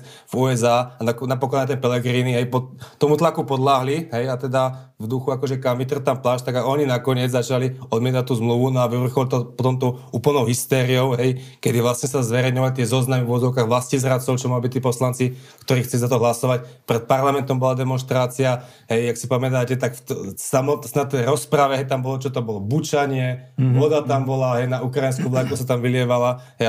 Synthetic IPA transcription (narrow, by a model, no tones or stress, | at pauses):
vuːɛzaːnaknapɔklɔnat̪ɛpɛlɛɡɾiːniɦɛjpɔt̪ɔmut̪lakupɔd̪laɦliɦɛjat̪ɛd̪a | vd̪uxuakɔʒɛkamit̪r̩t̪amplaʃt̪aɡaɔɲinakɔɲɪɛd͡zzat͡ʃaliɔd̪mɪɛt̪ac̚t̪ːuːzmluʋunɔaʋiʋr̩xɔlt̪ɔpɔt̪ɔmt̪ɔʊuːpl̩nɔʊɦist̪ɛːɾiɔʊɦɛjkɛd̪iʋlasɲɛsazʋɛɾɛjɲɔʋac̚t̪ɪɛzɔznamivʊɔd͡zɔʊkaɣʋlascizɾat͡sɔʊt͡ʃɔmalbict̪iːpɔslant͡sikt̪ɔɾiːxt͡sɛlizat̪ɔɦlasɔʋacpɾɛt̪̚paɾlamɛnt̪ɔmbɔlad̪ɛmɔnʃt̪ɾaːt͡sia | ɦɛjaksipamɛt̪̬aːcɛt̪akft̪samɔt̪snat̪ːɛjɾɔspɾaʋɛɦɛjt̪ambɔlɔt͡ʃɔt̪ɔbɔlɔbut͡ʃaɲɪɛʋɔd̪at̪ambɔlaɦɛjnaukɾajinskulaŋkusat̪amʋilɪɛʋalaɦɛj